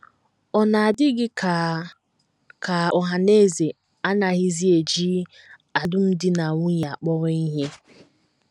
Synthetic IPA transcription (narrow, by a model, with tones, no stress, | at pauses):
ɔ˨na˨a˨dɪ˦ɡɪ˦ka˨ | ka˨ɔ˨ɦa˨ne˦˨ze˨ | a˦na˨ɣɪ˦zi˦e˨d͡ʒi˦ | a˨dʊ˦n̩˦dɪ˦na˨ŋʷʊ˦ja˨k͡pɔ˦ɾɔ˦i˦ɦe˦